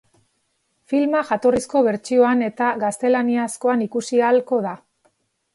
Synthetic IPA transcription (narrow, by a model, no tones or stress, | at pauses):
filmaʝat̪o̞risko̞βe̞ɾt͡ʃio̞ane̞t̪aɣast̪e̞laniasko̞anikusialko̞ða